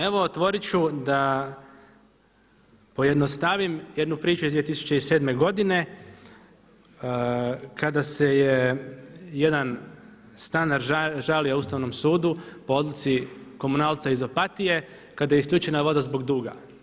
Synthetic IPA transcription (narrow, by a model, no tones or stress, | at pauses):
e̞ʋo̞t̪ʋo̞ɾit͡ʃud̪a | po̞jed̪nost̪aʋimjed̪nupɾiːt͡ʃuizd̪iet̪isu̥t͡ʃe̞ise̞ːd̪me̞ɡo̞d̪ine̞ | kad̪aseje | jed̪an | st̪anaɾʒalijauːst̪aʋno̞msuːd̪upo̞o̞d̪lˠut̪siko̞munaːlˠt̪saizo̞pat̪ije̞ | kad̪ajeiskʎʲuːt͡ʃenaʋo̞d̪azbo̞ɡd̪uːɡa̰